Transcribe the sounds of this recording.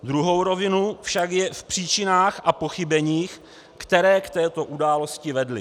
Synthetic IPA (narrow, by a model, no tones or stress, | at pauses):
d̪ɾuɦo̞wɾo̞vɪnufʃakjɛfpr̝̥iːt͡ʃɪnaːxʔapo̞xɪbɛɲiːx | kt̪ɛɾɛːkt̪ɛːt̪o̞ʔudaːlo̞scɪvɛdlɪ